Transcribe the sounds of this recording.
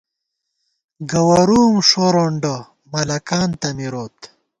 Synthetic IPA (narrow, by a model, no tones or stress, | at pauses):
ɡɐwɐɾuːmʂoɾoɳɖo | mɐlɐkaːnt̪ɐmiɾoːt̪